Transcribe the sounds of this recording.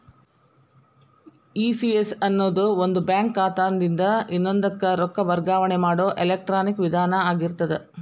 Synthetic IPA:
iːsiesɐnːoːd̪uond̪ubjaːŋkːaːt̪aːnd̪ind̪ɐinːond̪ɐkːɐɾɔkːɐbɐɾɡaːʋɐɳemaːɽo̞ːʔelek̚ʈɾaːnikʋid̪ʱaːnɐaːɡiɾt̪ɐd̪e

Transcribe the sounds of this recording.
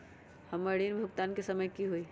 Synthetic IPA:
həməɾinbʱʊɡt̪aːnkesəməjkiɦoi

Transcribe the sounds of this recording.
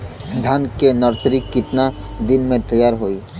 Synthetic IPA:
d̪ʱankenəɾt͡ʃɾikːɪt̪na | d̪ɪnmẽt̪əjːaːɾɦoːiː

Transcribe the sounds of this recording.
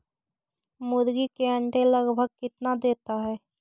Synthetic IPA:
mʊd̪ɡikeɐ̃ɳʈẽləɡbʱəɡ̚kɪt̪nad̪eːt̪aɦɛː

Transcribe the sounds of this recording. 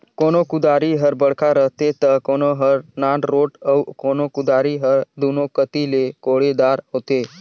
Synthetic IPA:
konokud̪aɾiɦəɾbəɽkʰaɾəɦt̪et̪əkonoɦəɾnãːɳɾoːʈəwkonokʊd̪aɾiɦəɾd̪unokət̪ilekoɽed̪aɾɦot̪e

